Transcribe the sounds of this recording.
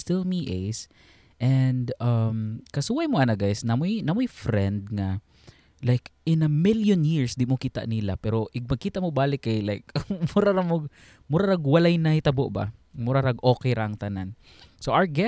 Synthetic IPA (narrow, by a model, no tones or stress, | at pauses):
st̪ɪlˠmiʔejs | ʔɛnd̪ɐmkɐsuːajmoʔɐnaɡajsnamojnamʊjfɾɛnd̪̚ŋa | lajkɪ̃nɐmɪljʊnjɪɹsd̪ɪʔmokiːt̪a̰ʔnila̰pɛɾoʔɪɡ̚mɐɡ̚kiːt̪aʔmobaːlɪkajlajk̚mʊɾaɾamʊɡ̚ | mʊɾaɾaɡwɐlajnɐhɪt̪ɐboʔba̰mʊɾaɾaɡʔoːkɛjɾaʔɐŋt̪anan | sowʔaɹɡɛ